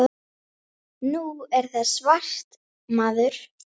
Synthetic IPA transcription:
nuɛɾ̥θaðsvar̥t̪ | maːðʏɾ̥

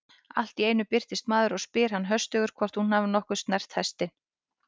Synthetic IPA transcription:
a̰l̥t̪ieːjnʏpɪr̥t̪ɪst̪maːðʏɾɔɣspɪːɾ̥hanːɦœst̪œɣʏɾ̥kʰvɔr̥t̪hunhaːvʏnɔhkʏ̥st̪nɛr̥t̪hɛst̪ɪn

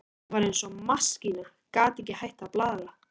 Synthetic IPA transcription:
vaːɾejnsɔmascina | kaːt̪ɛcɪhajht̪aplaːðða

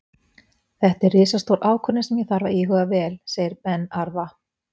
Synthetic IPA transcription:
θɛht̪ɛrːɪːsast̪oːwɾʔaːwkʰœnɪsɛmjɛθaɾvaiːɦʏɣavɛːlseːjɪɾpɛnːaɾva

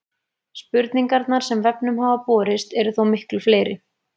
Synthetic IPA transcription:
spʏɾt̪niŋkaɾt̪naɾ̥sɛmvɛpnʏmhaːvapɔːɾɪst̪ɛɾʏθowmɪhklʏfleːjɾɪ

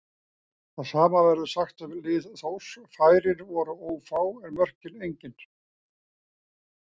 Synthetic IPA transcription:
θaðsaːmavɛɾðʏsaxt̪ɛmlɪːðθowsfaːjɾɪnvɔɾaoːwfaːwɛɾmœr̥cɪnejɲcɪn

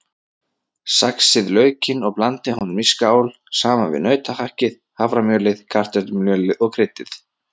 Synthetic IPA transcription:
saksɪðlœːɥcɪnɔɣplant̪ɪhɔnmiskaːwl | saːmavɪ̰nœɥt̪ahahcɪð | havɾamjœːlɪðkʰar̥t̪ɛɾt̪mljœːlɪðɔɣkʰɾɪt̪ɪθ

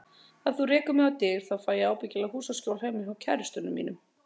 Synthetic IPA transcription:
aðθurɪːkʏmɛawt̪ɪɾ̥θawfaːjɪaːwpɪcɪlahuːsascowl̥hɛːjmɪawcʰɛɾʏst̪ʏnːʏmːḭːnʏm

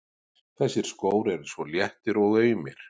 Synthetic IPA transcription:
θɛsːɪɾ̥skoːwɾɛɾsvɔljɛht̪ɪɾɔɣœːɥmɪ̰ɾ̥

